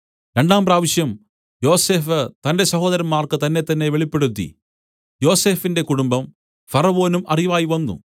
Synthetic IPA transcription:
ɾe̞ɳɖaːmpraːʋiɕjɐm | jo̞ːse̞ːfɨt̪ɐnde̞sɐɦo̞ːd̪ɐɾɐmːaːrkɨt̪ɐnːe̞t̪ɐnːe̞ʋeɭipːe̞ɽut̪ːḭ | jo̞ːse̞ːfinde̞kuɽumbɐm | fɐrɐʋo̞ːnumɐriʋaːjiʋɐnːṵ

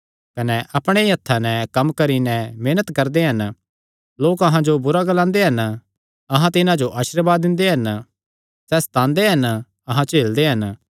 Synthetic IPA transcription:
kɐnɛʔɐpɽ̃ejɐt̪ʰːanɛ̃kɐmkɐɾinɛ̃meːnət̪kɐɾd̪eɦɐn | loːkɐɦãd͡ʒobʊɾaɡlãːnd̪eɦɐn | ɐɦãt̪̬ɪnãd͡ʒoʔaːʃɾbaːd̪ːɪ̃nd̪eɦɐn | sɛːst̪ãːnd̪eɦɐn | ɐɦãt͡ʃeːld̪eɦɐn

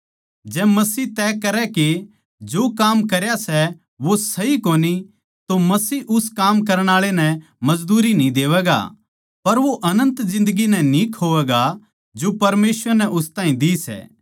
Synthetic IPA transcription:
d͡ʒɛːmɐsiːt̪ɛːkɐɾɛke | d͡ʒoːkaːmkɐɾjasɛ | ʋosɐɦikoːni | t̪omɐsiːʔʊskaːmk̬ɐɾəɽ̃aːɭenɛ̃ | mɐd͡ʒd̪uːɾinĩd̪eːʋɛːɡa̰ | pɐɾʋoʔɐnə̃nt̪zɪ̃nd̪əɡinɛ̃nĩkʰoːʋɛːɡa | d͡ʒopɐɾmeːsʋəɾnɛʔʊst̪ãːĩd̪isɛ̰ː

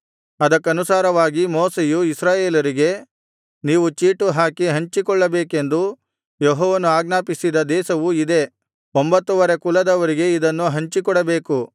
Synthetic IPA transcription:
ɐd̪ɐkːɐnusaːɾɐʋaːɡimoːsejuisɾaːje̞ːlɐɾiɡe̞ | niːʋut͡ʃiːʈuɦaːkiɦɐɲt͡ʃikɔɭːɐbeːke̞nd̪u | jeɦɔːʋɐnuaːɡnaːpisid̪ɐd̪ɛːʃɐʋuid̪e̞ | ombɐt̪ːuʋɐɾekulɐd̪ɐʋɐɾiɡe̞id̪ɐnːuɦɐɲt͡ʃikɔɽɐbe̞ːku

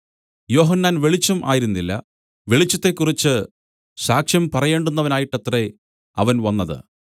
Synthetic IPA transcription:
jo̞ːɦɐnːaːnʋe̞ɭit͡ɕːumʔa̰ːjiɾunːilːɐ̰ | ʋe̞ɭit͡ɕːɐt̪ːe̞kːurit͡ɕːɨ | ɕaːkʂjɐmpɐrɐje̞ːɳɖunːɐʋɐnaːjiʈːet̪re̞ | ɐʋɐnʋɐnːɐðɨ̰

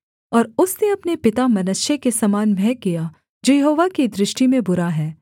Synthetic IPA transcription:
ɔːɾʊsneɐpnepɪt̪amɐnəʃjekesɐmaːnmɛːkija | d͡ʒoːjɐɦoːʋakid̪ɾɪʃʈimẽbʊɾaɦɛː

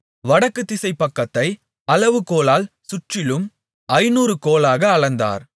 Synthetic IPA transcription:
ʋɐɽɐkːɯt̪ːɪsɐɪpːɐkːɐt̪ːɐɪ | ɐlɐʋɯkoːlaːlsʊʈrɪlɯm | ɐɪnuːɾɯkoːlaːɣɐːɭɐnd̪a̰ːɾ

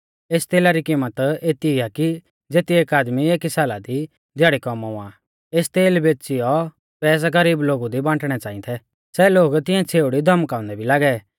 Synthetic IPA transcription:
eːst̪eːlaɾikimət̪eːt̪iaki | d͡zeːt̪ieːkaːd̪mieːkisaːlad̪i | d̪aːɽikɔmaũã̰ | eːst̪eːlbeːt͡ʃijɔ | pɛːs̬aɡəɾiːbloːɡud̪ibãːʈɽ̃ɛt͡saːĩt̪ʰɛ | sɛloːɡt̪ɪ̃ɛ̃t͡sʰeːʊɽid̪ʱɐmkaːʊ̃nd̪ɛbʱilaːɡɛ

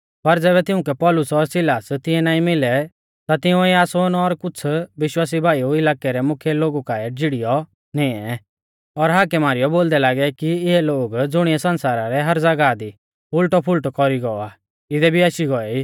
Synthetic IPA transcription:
pɐɾd͡zɛːβɛt̪ɪʊ̃kɛpɔlʊsɔɾsɪlaːst̪ɪɛnaːĩmɪlɛ | t̪at̪ɪũiaːsoːnɔɾkʊt͡sʰʋɪʃwaːs̬ibʱaːiuɪlaːkɛɾɛmʊkʰjɛloːɡukaɛd͡zɪɽijɔ | nɪ̃ɛ | ɔɾɦaːkɛmaːɾɪjɔboːld̪ɛlaːɡɛkiɪɦɛloːɡd͡zʊɽ̃iɛsɐnsaːɾaɾɛɦɐɾd͡zɐɡad̪i | pʰʊlʈɔpʰʊlʈkɔɾiɡɔa | ɪd̪ɛbʱiaʃiɡɔɛiː

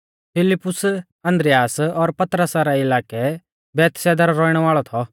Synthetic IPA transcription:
pʰɪlɪpːʊs | ɐ̃nd̪ɾɪjaːsɔɾpɐt̪ɾəsaɾɛɪlaːkɛ | bɛːt̪sɛːd̪əɾɾɔːiɽ̃ɛʋaːɭɔt̪ʰɔ

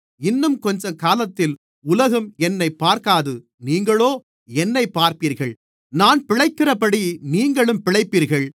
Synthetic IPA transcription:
ɪnːɯmkɔɲd͡ʒɐkaːlɐt̪ːɪl | ʊlɐɣɯmɛnːɐɪpːaːɾkaːðɯ | niːŋɡɐɭoː | ɛnːɐɪpːaːɾpiːɾɣɐɭ | naːnpɪɻɐɪkːɪrɐpɐɽiniːŋɡɐɭɯmpɪɭɐɪpːiːɾɣɐɭ

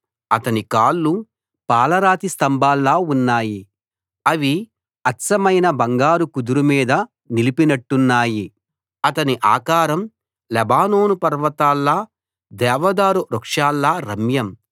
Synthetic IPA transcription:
ɐt̪ɐnikaːlːu | paːlɐɾaːt̪ist̪ɐmbʱaːlːaːunːaːji | ɐʋi | ɐtsɐmɐjnɐbɐŋɡaːɾukud̪uɾumiːd̪ɐ | nilipinɐʈːunːaːji | ɐt̪ɐniʔaːkaːɾɐm | lɛbaːnoːnupɐɾʋɐt̪aːlːɐ | d̪ɛːʋɐd̪aːɾuɾɐkʂaːlːaːɾɐmjɐm

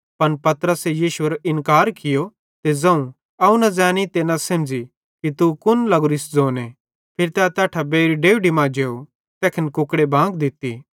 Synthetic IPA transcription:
pɐnpɐt̪ɾəsejiːʃuɐɾʔɪnkaːɾkɪjo | t̪ezɐ̃ũ | ɐũnɐzɛːñit̪eːnɐsɐmd͡ʒi | kit̪ukʊnlɐɡʊɾɪsd͡zoːne | pʰɪɾit̪ɛt̪ɛːʈʰabeːɾiɖeːʋɖimãːd͡ʒeːu | t̪ɛːkʰɪnkʊkɽebʱãːɡd̪ɪt̪ːi

